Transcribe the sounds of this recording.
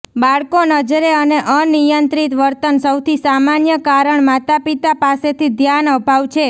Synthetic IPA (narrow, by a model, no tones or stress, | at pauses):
baɭkonəd͡ʒɾeəneʔənijənt̪ɾit̪ʋəɾt̪ənsəwt̪ʰisamanjəkaɾəɳmat̪apit̪apaset̪ʰid̪ʱjanəbʱaʋt͡ʃʰe